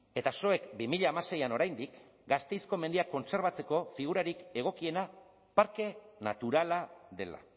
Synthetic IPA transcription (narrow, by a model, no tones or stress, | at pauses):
e̞t̪aso̞e̞kbimiʎaːmase̞jano̞ɾajnd̪ik | ɡast̪e̞jsko̞me̞nd̪iako̞nse̞ɾβ̞at͡se̞ko̞fiɣ̞uɾaɾike̞ɣ̞o̞kie̞na | paɾke̞nat̪uɾalaðe̞̰la̰